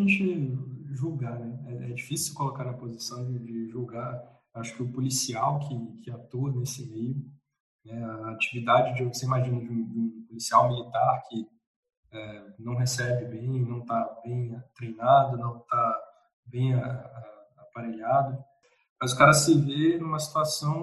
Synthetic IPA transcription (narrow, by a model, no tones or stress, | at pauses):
ʒẽt͡ʃɪʒuɡanɛɛɛd͡ʒifisiwkolokaɾɐpozisɐ̃w̃d͡ʒɪd͡ʒɪʒuɡaɾ | ewaʃʊ̥kɪʊpulisiawkʰɪkʰɪat̪oɐnesɪmejʊ | nɛaːt͡ʃivid̪ad͡ʒɪd͡ʒɪvoseimaʒĩnɐd͡ʒɪũd͡ʒũpolisiawmilit̪aɾkʰɪ | ɛnɐ̃w̃ɦesɛbɪbẽj̃nɐ̃w̃t̪abẽj̃t̪ɾejnad̪ɐnɐ̃w̃t̪a | bẽj̃aɛ | apaɾeʎad̪ɐ | mɐzʊkaɾɐsɪvenũmɐsi̥t̪uasɐ̃w̃